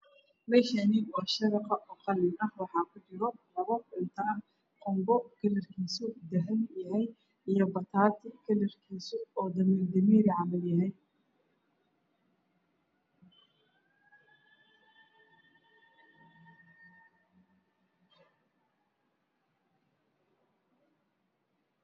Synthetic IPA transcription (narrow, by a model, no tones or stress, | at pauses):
mɛːʃɐnɪwɑːʃɐɾɑqɑʔɔqɑlɪnɐhwɑħɑːkʰʊt͡ʃɪɾɔlɐβɔɪnt̪ʰɐn | qɔmbɔɡɐlɐrkʰiːsʊd̪ɐɦɛnjɐɦɛj | ijɞbɐt̪ʰaːt̪ʰɪɡɐlɐrkʰiːsʊɔːd̪ɐmiːrd̪ɐmiːɾɪʕɑmɐljɐɦɛj